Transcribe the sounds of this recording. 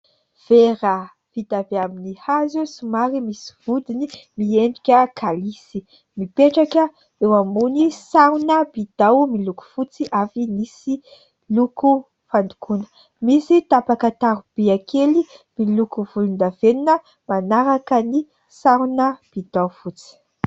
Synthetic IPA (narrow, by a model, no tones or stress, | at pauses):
v̥eɾə | v̥id̪aveaminihazesumaɾimisi̥v̥ud̪inimiend̪ukʲəkʰalisi | mipeʈ͡ʂakə | ewamunisaɾunəbid̪̥awmiluku̥fut͡siʔafinisi | luku | fand̪u̥kʰunə̥ | misit̪apakət̪aɾub̥iakʰelimilukuvulunaveninə | manaɾakəni | saɾunəb̥id̪̥awfut͡si̥